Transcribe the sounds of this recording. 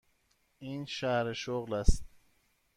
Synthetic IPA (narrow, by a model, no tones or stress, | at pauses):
ʔiːnʃæhɾeʃoɣlæst̪̚